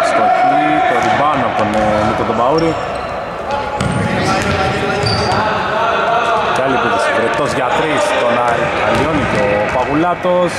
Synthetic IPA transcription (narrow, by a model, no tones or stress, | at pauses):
st̪okit̪oɾibanɐkonemit̪ot̪obauɾi | caliput̪ispɾet̪ːozʝat̪ɾist̪onaɾi | aloniko | paɣulat̪os